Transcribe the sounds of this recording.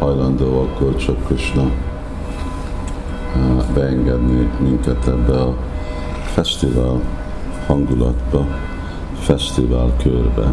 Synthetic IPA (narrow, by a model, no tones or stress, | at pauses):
hɒjlɒnd̪oːɒkːort͡ʃøkːøʃnɛ | bɛɛŋɡɛd̪nimiŋkɛt̪ʰɛbːɛɒ | fɛʃt̪ivaːl | hɒŋɡulɒ̰t̪bɒ | fɛʃt̪ivaːlkʰørbɛ̰